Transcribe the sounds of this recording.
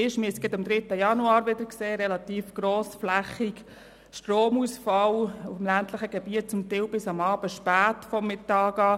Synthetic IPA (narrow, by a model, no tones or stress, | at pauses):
ɪʃmiəsɡɛdɑmd̪ɾɪt̪ːəjɑnuɑːɾʋɪdəɾkseːɾɛlɑt̪iːfɡ̥roːsflæχik | ʃtɾoːmusfɑlʊfəmlænt̪ləχəɡ̥ɛb̥iət̚t͡sʊmt̪ɪwbɪsɑmɑːb̥əʃpæːtfɔrmɪtɑːɡɑː